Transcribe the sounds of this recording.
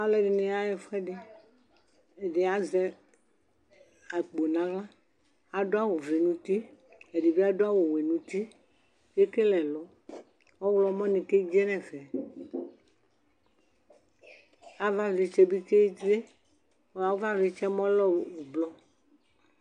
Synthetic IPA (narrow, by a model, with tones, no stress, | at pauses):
a˦lɛ˦ɖe˨nɛ̃˨a˦jɛ˨fɛ˦ɖe˦ | e˨ɖe˨a˨zɛ˦ | a˨k͡po˨nã˨ɣã˦ | a˨ɖo˦a˦wo˨ve˨nũ˨t̪i˦ | e˨ɖi˨bi˦a˦ɖo˦a˦wo˨we˨nũ˨t̪i˦ | je˦ke˦lɛ˨lɔ˨˦ | wɔ˦wlɔ˨˦mɔ̃˦nĩ˨ke˦d͡ʒɛ˦nɛ̃˨fɛ˨ | a˨˦va˦vi˨t͡ʃe˦bi˦ke˦t̪ɾe˦ | wo˨˦a˨wo˦va˦vi˨t͡ʃɛ˦mɔ̃˦lɔ˦˨wu˨blɔ˦